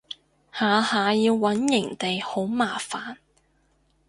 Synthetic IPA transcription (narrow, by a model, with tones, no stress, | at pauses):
haː˨˧haː˨˧jiː˧wːɐ˨˥njɪ˨˩ŋt̪e˨jho˨˥wmaː˨˩faː˨n